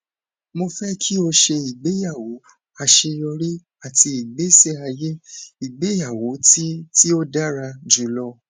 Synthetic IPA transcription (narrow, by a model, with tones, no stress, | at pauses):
mo˧fɛ˦kʰi˦o˧ʃe˧i˨ɡ͡be˨˦ja˦˨wo˨˦ | a˧ʃe˧jɔ˧ɾi˦ | a˦˨ti˧i˨ɡ͡be˨˦sɛ˦a˧je˦i˨ɡ͡be˨˦ja˦˨wo˨˦ti˦ti˦o˦da˦ɾa˧d͡ʒu˨lɔ˧